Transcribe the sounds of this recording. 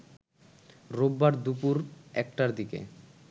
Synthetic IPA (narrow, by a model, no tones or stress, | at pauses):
ɾobːaɾd̪upuɾɛkʈaɾd̪ikḛ